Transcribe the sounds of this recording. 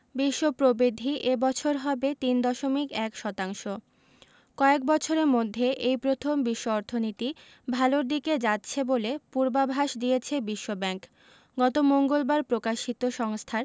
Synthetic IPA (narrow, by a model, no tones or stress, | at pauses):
biʃːopɾobid̪ʱiʔebɔt͡ɕʰoɾɦɔbet̪ind̪ɔʃomikɛkʃɔt̪aŋʃo | kɔek̚bɔt͡ɕʰoɾeɾmod̪ʱːeʔejpɾot̪ʰombiʃːoɔɾt̪ʰonit̪i | bʱaloɾd̪iked͡ʑatːɕʰebolepuɾbabʱaʃd̪iet͡ɕʰebiʃːobɛŋk | ɡɔt̪omoŋɡolbaɾpɾokaʃit̪oʃɔŋst̪ʰaɾ